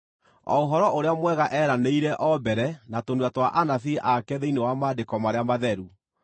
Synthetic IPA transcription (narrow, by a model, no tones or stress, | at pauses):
ɔ̰oɦɔɾɔoɾeamwɛɣaʔɛːɾaneiɾɛʔɔbɛɾɛnatonwatwaʔanafiʔakɛðeinewamaːdekɔmaɾeamaðɛɾu